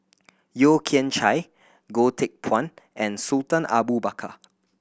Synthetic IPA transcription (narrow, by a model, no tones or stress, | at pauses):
jokʰĩə̃nt͡ʃaj | ɡotʰek̚pʰwɔ̃nɛ̃nsultə̃nʔa̰bubakʰa̰